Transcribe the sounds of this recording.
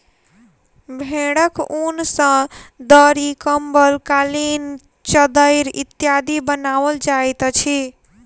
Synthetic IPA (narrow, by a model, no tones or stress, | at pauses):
bʱeɽəkunsə̃d̪əɾikəmbəlkalin | t͡ʃəd̪əɪɾḭt̪jad̪ibənawəld͡ʒajt̪t͡ʃʰi